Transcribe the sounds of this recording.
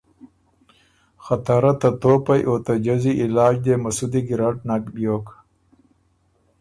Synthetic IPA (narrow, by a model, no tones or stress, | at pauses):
xɐt̪aɾɐt̪ɐt̪oːpɐjʔoːt̪ɐd͡ʑɐziʔilaːd͡ʑd̪eːmɐsud̪iɡiɾaʈ̚nakbjoːk